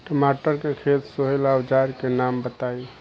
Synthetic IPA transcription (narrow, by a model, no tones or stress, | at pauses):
ʈəmaʈəɾkekʰet̪soɦelawd͡ʒaɾkenambət̪ai